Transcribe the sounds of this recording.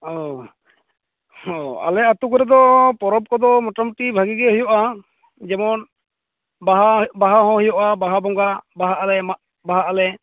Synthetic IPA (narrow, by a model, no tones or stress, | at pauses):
ɔ | hɔa̰lɛat̪ukɔɾɛd̪ɔpɔɾɔb̚kɔd̪ɔmɔʈamuʈibʱaɡiɡɛɦujɔʔa | d͡ʒɛmɔn | baɦabaɦaɦɔ̃hujɔʔabaɦabɔŋɡabaɦaʔalɛma | baɦaʔalɛ